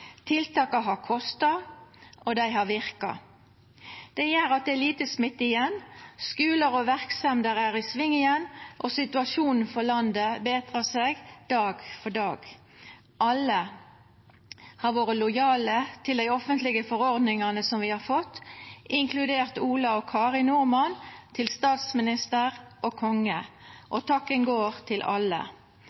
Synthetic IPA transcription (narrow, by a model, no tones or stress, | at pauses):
t̪ʰɪlt̪ʰɑːkɑɦɑʁkʰɔst̪ɑʔɔd̪æɪɦɑʋɪʁkɑ̰ | d̪̥ɛjæːɾɑt̪̚d̪ɛæliːt̪əsmɪt̪ːɪjɛnskʉːləɾɔʋæʁksɛmd̪əʁæʁɪsʋɪŋːɪənʔɔsɪt̪ʉɑʃuːnn̩fɔlɑnd̪əbeːt̪ʁəseːɡd̪̥ɑːɡfɔɖɑːɡ | ʔɑlːə | hɑʁʋoːʁəlʊjɑːlət̪ʰɪld̪æɪɔfənt̪lɪɡəfɔʁɔʁd̪nɪŋɑnəsɔmʋɪhɑʁfɔt̪ːɪŋkʰlʉd̪eːʁt̪uːlɑɔkʰɑːʁɪnʊʁmɑnt̪ʰɪlst̪ɑːt̪smɪnɪst̪əʁʔoːkʰɔŋəʔɔt̪ʰɑkːənɡoːʁt̪ʰɪlʔɑ̰lːə̰